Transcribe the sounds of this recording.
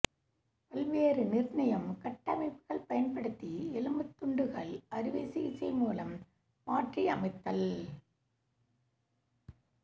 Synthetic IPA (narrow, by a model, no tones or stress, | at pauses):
pɐlʋeːɾɯnɪrnɐjɐmkɐʈːɐmɐɪpːɯɣɐɭpɐjɐnpɐɽɯt̪ːiɪlɐmɯt̪ːʊɳɖɯɣɐɭɐɾɯʋeːsɪɪsɐɪmuːlɐmː | aːʈriɐmɐɪt̪ːɐl